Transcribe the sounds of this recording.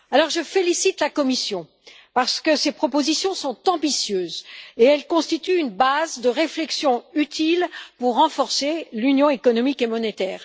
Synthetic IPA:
alɔʁʒəfelisit̪lakɔmisjɔ̃ | paʁsə̥kəsepχɔpozisjɔ̃sɔ̃t̪ɑ̃bisjøːzeɛlkɔ̃st̪it̪yynbazd̪əʁeflɛksjɔ̃yt̪ʰilpuʁːɑ̃fɔʁselynjɔ̃ekɔnɔmikemɔnet̪ɛːʁ

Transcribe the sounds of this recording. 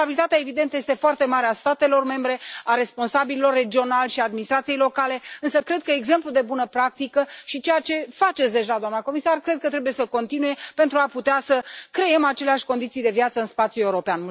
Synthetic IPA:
abilit̪at̪eaevid̪ent̪əje̞st̪e̞foart̪e̞maɾeast̪at̪e̞lo̞rme̞mbɾe̞aɾe̞spo̞nsabililo̞rːe̞d͡ʒio̞nalʲʃiaːd̪minist̪ɾat̪sije̞jlo̞kale̞ɨnsəkɾe̞d̪̚kəeɡze̞mplud̪e̞bunəpɾak̚t̪ikəʃit͡ʃe̞jat͡ʃe̞fat͡ʃet̪sd̪e̞ʒad̪oamnəko̞misarkɾe̞d̪̚kət̪ɾe̞buje̞səko̞nt̪inuje̞pe̞nt̪ɾuaput̪easəkɾe̞je̞mat͡ʃe̞leaʃʲko̞nd̪it̪sijd̪e̞vjat̪səɨnspat̪sjule̞uɾo̞peanm

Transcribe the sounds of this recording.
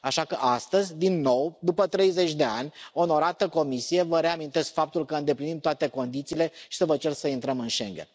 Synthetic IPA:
aʃakəʔast̪əzʲd̪inːo̞wd̪upət̪ɾe̞jze̞t͡ʃʲd̪e̞a̰nʲo̞no̞ɾat̪əko̞misije̞vəɾe̞amint̪e̞skfap̚t̪ulkəɨnd̪e̞plinimt̪oat̪e̞ko̞nd̪it̪siːle̞ʃi̥səvət͡ʃe̞rsəint̪ɾəmɨnʃḛŋɡen

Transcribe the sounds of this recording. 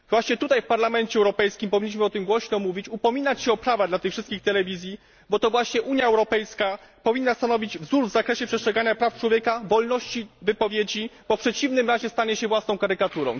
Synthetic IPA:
vwaɕɲɛt̪ut̪ajfpaɾlamɛnt͡ɕɛwɾɔpɛjskʲimpɔvʲiɲːiɕmɘɔt̪ɘmɡwɔɕnɔmuvʲit͡ɕupɔmʲinat͡ɕɕɛɔpɾavad̪lat̪ɘxfʂɘst̪kʲixt̪ɛlɛvʲizʲji | bɔt̪ɔvwaɕɲɛʔuɲjaɛwɾɔpɛjskapɔvʲinːast̪anɔvʲid͡ʑvzuʐvzakɾɛɕɛpʂɛstʂɛɡaɲapɾaft͡ʂwɔvʲjekavɔlnɔɕt͡ɕivɘpɔvʲjed͡ʑib̥ɔfpʂɛt͡ɕivnɘmɾaʑɛst̪aɲɛɕɛvwasnɔ̃w̃kaɾɘkat̪uɾɔ̰̃w̃

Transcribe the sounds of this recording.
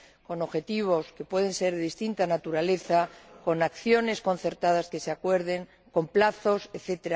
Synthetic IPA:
ko̞no̞βxe̞t̪iβ̞o̞ske̞pwe̞ðẽ̞nse̞ɾðeðist̪int̪anat̪uɾale̞θako̞nakθjo̞ne̞sko̞n̟θe̞ɾt̪aðaske̞seakwe̞ɾðe̞ŋ | ko̞mplaθo̞seθe̞t̪eɾa

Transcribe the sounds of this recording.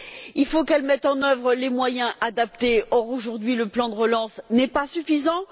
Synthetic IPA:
ilfokɛlmɛt̪ɑ̃nœvʁəlemwajɛ̃ʔad̪ap̚t̪eɔʁoʒuʁd̪ɥiləplɑ̃d̪əʁəlɑ̃snɛpasyfizɑ̃

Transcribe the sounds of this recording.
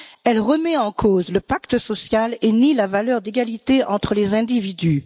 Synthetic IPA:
ɛlʁəmɛɑ̃kʰozləpakt̪əsɔsjalenilavalœʁd̪eɡalit̪eʔɑ̃t̪χəlezɛ̃d̪ivid̪y

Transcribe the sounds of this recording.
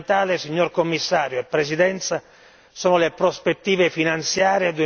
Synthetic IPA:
t̪aːlesiɲːorkomːisːaːɾjoepːɾes̬id̪ɛnt̪sa | soːnʊlepɾospet̪ːiːvefinant̪sjaːɾjed̪ue

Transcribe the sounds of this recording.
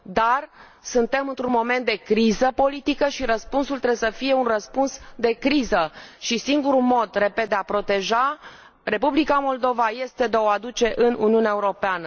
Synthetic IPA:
d̪ar | sunt̪e̞mɨnt̪ɾunmo̞me̞nt̪̚d̪e̞kɾizəpo̞lit̪ikəʃiɾəspunsult̪ɾebesəfije̞unrəspunsd̪e̞kɾizəʃisiŋɡuɾumo̞d̪re̞ped̪̚d̪eapɾo̞t̪e̞ʒa | re̞publikamo̞ld̪o̞vaje̞st̪e̞d̪eoad̪ut͡ʃe̞ʔɨnṵniuneaeuɾo̞peanə

